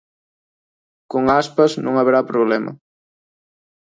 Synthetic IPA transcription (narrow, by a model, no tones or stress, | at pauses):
koŋaspɐznṵ̃ŋaβeɾapɾoβlɛmɐ̰